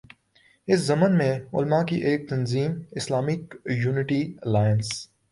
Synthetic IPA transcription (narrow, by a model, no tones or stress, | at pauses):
ɪszɐmənmẽʊ̰lmakiʔeːk̚t̪ɐnziːmɪslaːmɪkjuːnɪʈilaːjəns